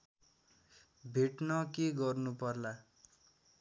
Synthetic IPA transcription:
bʱeʈnʌkeɡʌrnupʌrla

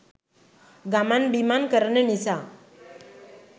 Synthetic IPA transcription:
ɡamanbimankəɾɳənisa

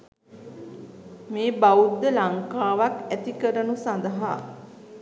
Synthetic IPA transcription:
meːbaud̪ːəlaŋkaːʋakæt̪ikəɾənusand̪əɦa

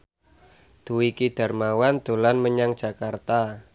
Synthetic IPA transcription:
d̪̥uwikid̥a̤rmawand̪̥o̤lanməɲaŋ̥ʒ̥a̤kart̪a

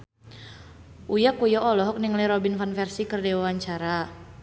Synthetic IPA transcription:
ʔujakujɔʔɔlɔɦɔk̚niŋliɾɔbinfanfɛrsikərdɛwaaɲt͡ʃaɾa

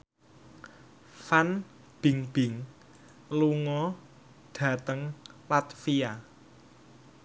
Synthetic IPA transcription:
fan | b̥ɪ̤ŋb̥ɪ̤ŋ | luŋɔ | ɖ̥ä̤t̪əŋlat̪fia

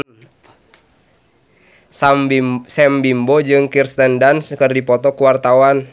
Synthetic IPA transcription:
sɛmbimbɔd͡ʒɨŋkirst̪əndanskɨrdipɔt̪ɔkuwart̪awan

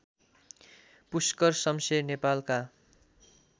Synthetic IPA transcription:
puskʌrsʌmsenepalka

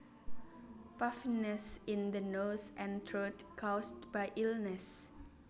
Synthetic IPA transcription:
pafinəsĩnd̪ənosʔɛ̃ntʰɹotkʰastbajʔilnəs

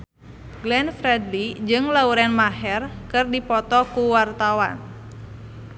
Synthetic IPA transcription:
ɡlɛnfɾɛdlid͡ʒɨŋlauɾɛnmaɦɛrkɨrdipɔt̪ɔkuwart̪awan

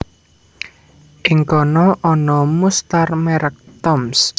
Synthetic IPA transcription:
ʔɪŋkɔnɔʔɔnɔmust̪armɛɾək̚t̪ɔms

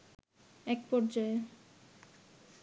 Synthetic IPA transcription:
ɛk̚pɔɾd͡ʑae

